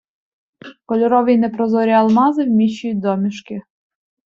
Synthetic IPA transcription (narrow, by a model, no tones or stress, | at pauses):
kɔlʲɔɾɔʋinɛpɾɔzɔɾʲɐɐlˠmɑzɪwmʲiʃʊjʊt̚ʲd̪ɔmʲiʃkɪ